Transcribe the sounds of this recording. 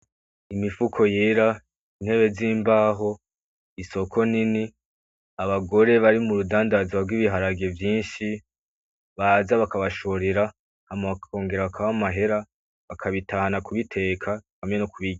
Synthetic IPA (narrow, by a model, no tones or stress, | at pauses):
imifukʰo̞jeːɾa | in̥he̞βe̞ziːmbaːɦo̞ | iso̞kʰo̞nini | aβaɡo̞ɾe̞βaɾimuɾudaːndazwaɾɡwiβiɦaɾaɡe̞vjiːnʃi | βazaβakaβaʃoɾiɾa | hameβakkʰo̞ːŋɡe̞ɾaβakʰaβamaɦe̞ɾa | βakʰaβitʰahanakuβitʰe̞ːkʰahamɲenokuβiɡ